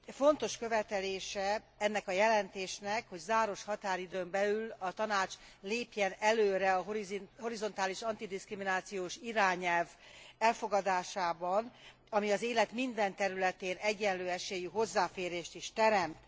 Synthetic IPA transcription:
fo̞nt̪o̞ʃkø̞vɛt̪ɛleːʃɛ | ɛnːɛkɒjɛlɛnt̪eːʃnɛkho̞ɟzaːɾo̞ʃhɒt̪aːɾid̪øːmbɛlylɒt̪ɒnaːt͡ʃleːpjɛnɛløːɾɛɒɦoiho̞ɾizo̞nt̪aːliʃɒnt̪id̪iskriminaːt̪sijoːʃiɾaːɲɛlvɛlfo̞ɡɒd̪aːʃaːbɒn | ɒmiɒzeːlɛt̪mind̪ɛnt̪ɛɾylɛt̪eːnɛɟːɛnløːɛʃeːjyɦo̞zːaːfeːɾeːʃt̪iʃt̪ɛɾɛmt̪

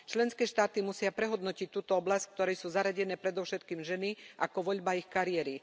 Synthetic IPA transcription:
t͡ʃlɛnskɛːʃt̪aːt̪imusɪapɾɛɦɔd̪nɔcic̚t̪uːt̪ɔɔblasck̚t̪ɔɾɛjsuːzaɾaɟɛnɛːpɾɛd̪ɔʊʃɛt̪kiːmʒɛniʔakɔʋɔʎbaixkaɾiɛɾi

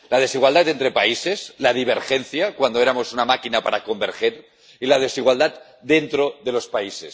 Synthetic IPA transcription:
lað̞e̞siɣwald̪at̪ent̪ɾepaise̞slað̞iβ̞eɾxenθjakwand̪oeɾamo̞sunamakinapaɾako̞mbeɾxeɾ | ilað̞e̞siɣwald̪at̪ | d̪e̞nt̪ɾo̞ðelo̞spaises

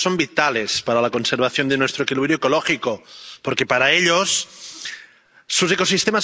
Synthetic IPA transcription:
so̞mbit̪ale̞spaɾalako̞nseɾβ̞aθjo̞nd̪enwest̪ɾoekiliβɾjoeko̞loxikopoɾke̞paɾaeʎos | useko̞sist̪emas

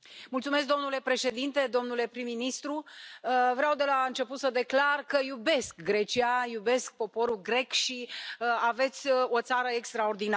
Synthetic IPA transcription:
mult̪sumes̬k̚d̪o̞mnule̞pɾe̞ʃe̞d̪int̪e̞d̪o̞mnule̞pɾimːinist̪ɾuəvɾeawd̪e̞laɨnt͡ʃe̞put̪səd̪e̞klarkəjube̞skɡɾe̞t͡ʃiajube̞sk̚po̞po̞ɾulɡɾe̞kʃiəave̞t̪sʲo̞t̪saɾəekst̪ɾaord̪ina

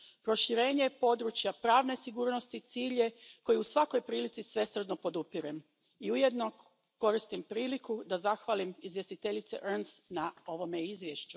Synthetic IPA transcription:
pɾo̞ʃiɾe̞ːɲepo̞d̪ɾut͡ɕjapɾaːʋnesiɡuːɾno̞st̪it̪siːʎe̞ko̞juusʋako̞jpɾiːlit̪sisʋe̞sr̩d̪no̞po̞d̪upiɾem | iujed̪no̞ | ko̞ɾist̪impɾiːlikud̪azaxʋalimizʋje̞st̪it̪eʎit̪sḛʔɾnsnao̞ʋo̞meizʋje̞ʃt͡ʃu

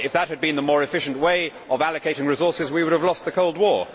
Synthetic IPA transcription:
ɪfðət̚hɨd̚bɨ̃nðəmɔɹɨfɪʃnʔweɪʔəvælˠɨkʰeɪɾɪ̃ŋɹɨzɔɹsɨzwiwʊɾəvlɔst̪̚ðɨkʰoʊlˠd̚wɔɹ

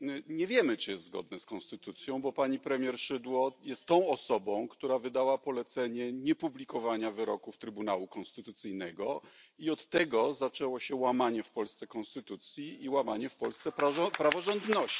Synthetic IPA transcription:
ɲɛvʲjɛmɘt͡ʂɨjɛst̪zɡɔ̰d̪̚nɛskɔnst̪ɘt̪ut̪sʲjɔ̃w̃bɔpaɲipɾɛmʲjɛɾʂɘd̪wɔjɛst̪ːɔ̃w̃ɔsɔbɔ̃w̃kt̪uɾavɘd̪awapɔlɛt̪sɛɲɛɲɛpublʲikɔvaɲavɘɾɔ̰kuft̪ɾɘbunawukɔnst̪ɘt̪ut̪sɘjnɛɡɔiɔt̪ːɛɡɔzat͡ʂɛwɔɕɛwamaɲɛfpɔlst̪sɛkɔ̃nst̪ɘt̪ut̪sʲjiiwamaɲɛfpɔlst̪sɛppɾavɔʐɔ̃nd̪nɔɕt͡ɕi̥

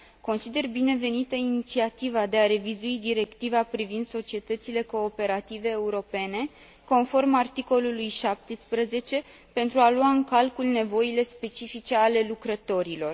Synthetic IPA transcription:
ko̞nsid̪e̞rbine̞ve̞nit̪əinit̪siat̪ivad̪e̞aɾe̞vizuid̪iɾe̞kt̪ivapɾivind̪so̞t͡ʃie̞t̪ət̪sile̞ko̞ːpe̞ɾat̪ive̞ːuɾo̞pe̞ne̞ | ko̞nfo̞rmart̪iko̞lulujʃap̚t̪espɾəze̞t͡ʃe̞ | pe̞nt̪ɾualuaɨŋkalkulne̞vo̞ile̞spe̞t͡ʃifit͡ʃe̞ale̞lukɾət̪o̞ɾilo̞r

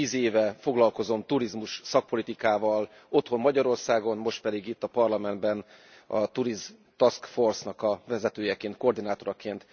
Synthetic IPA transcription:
iːzeːvɛfo̞ɡlɒlko̞zo̞nt̪uɾizmuʃsɒk̚po̞lit̪ikaːvɒl | o̞t̪ho̞mːɒɟɒɾo̞rsaːɡo̞nmo̞ʃt̪̚pɛd̪iɡit̪ːɒpɒrlɒmɛnd̪bɛn | ɒ̰t̪uɾiz | t̪ɒskfo̞rsnɒkɒvɛzɛt̪øːjɛkeːnt̪̚ko̞ːrd̪inaːt̪o̞ɾɒkeːnt̪

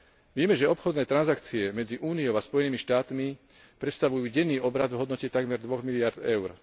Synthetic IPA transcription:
ʋɪɛmɛʒɛɔpxɔd̪nɛːt̪ɾanzakt͡siɛmɛd͡ziʔuːniɔʊaspɔjɛniːmiʃt̪aːt̪mi | pɾɛt̪st̪aʋujuːɟɛnːiːɔbɾad̪vɦɔd̪nɔcɛt̪aɡmɛɾd̪ʋɔɣmiliaɾd̪ɛʊɾ

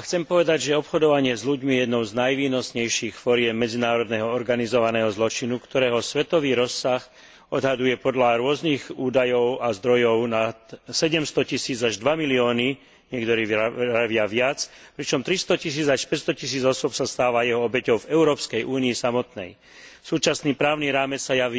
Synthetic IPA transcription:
axt͡sɛmpɔʋɛd̪aɟʒɛɔpxɔd̪ɔʋaɲɪɛzʎuɟmiɛjɛd̪nɔʊznajʋiːnɔsɲɛjʃiːxfɔɾɪɛmːɛd͡zinaːɾɔd̪nɛːɦɔɔɾɡanizɔʋanɛːɦɔzlɔt͡ʃinukt̪ɔɾɛːɦɔsʋɛt̪ɔʋiːɾɔsːax | ɔd̪ɦad̪ujɛpɔd̪laɾʊɔzniɣuːd̪ajɔʊazd̪ɾɔjɔʊnat̪sɛɟɛmst̪ɔcisiːd͡zaʒd̪ʋamiliɔːni | ɲɪɛkt̪ɔɾiːɾaʋɪaʋɪat͡spɾit͡ʃɔmt̪ɾist̪ɔcis̬iːd͡zaʃpɛcst̪ɔcis̬iːd͡zɔsʊɔpsast̪aːʋajɛɦɔɔbɛcɔʊvɛʊɾɔːpskɛjʔuːniisamɔt̪nɛ̰j | suːt͡ʃasniːpɾaːʊniɾaːmɛt͡ssajaʋi

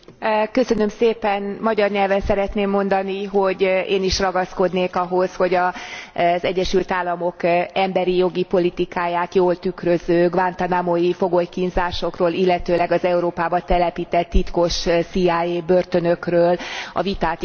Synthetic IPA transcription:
køsønø̞mseːpɛnmɒɟɒrɲɛlvɛnsɛɾɛt̪neːmːo̞nd̪ɒniɦo̞ɟeːniʃrɒɡɒsko̞d̪neːkɒɦo̞sho̞ɟɒ | zɛɟːɛʃylt̪aːlːɒmo̞kɛmbɛɾijo̞ɡipo̞lit̪ikaːjaːt̪joːlt̪ykrøzøːɡvant̪ɒnamojifo̞ɡojkinzaːʃo̞kroːlilːɛt̪øːlɛɡɒzɛuɾoːpaːbɒt̪ɛlɛpiːt̪ɛt̪ːit̪ko̞ʃsiaːeːbørt̪ø̞nø̞krøːlɒ̰vit̪aːt̪

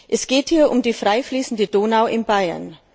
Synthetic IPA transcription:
ʔɛsɡ̥eːthiːɐʔʊmdiːfʁ̥aɪfliːsn̩dədoːnaʊʔɪnbaɪɐ̰n

